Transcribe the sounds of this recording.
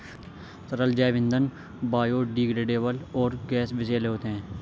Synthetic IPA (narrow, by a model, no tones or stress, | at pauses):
t̪əɾəld͡ʒɛːʋɪ̃nd̪ən | baːjoːɖiːɡɽeɖeːʋəlɔːɾɡɛːsbɪseːlɦoːt̪eɦɛ̃ː